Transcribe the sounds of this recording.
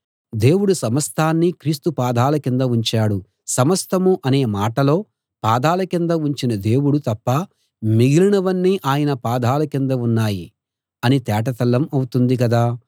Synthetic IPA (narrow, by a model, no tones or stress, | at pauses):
d̪e̞ːwuɽusɐmɐst̪ʰaːnːikɾiːst̪upaːd̪ʱaːlɐkind̪ɐuɲt͡ʃaːɽu | sɐmɐst̪ʰɐmuʔɐne̞ːmaːʈɐlo̞ː | paːd̪aːlɐkind̪ɐuɲt͡ʃinɐd̪e̞ːwuɽut̪ɐpːɐ | miɡiliɳɐʋɐnːiʔaːjɐnɐpaːd̪ʱaːlɐkind̪ɐunːaːji | ɐnit̪ɛːʈ̬ɐt̪ɐlːɐmɐwut̪und̪ikɐd̪aː